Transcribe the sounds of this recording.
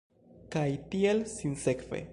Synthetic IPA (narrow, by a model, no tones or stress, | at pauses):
kajtie̞lsinse̞kvḛ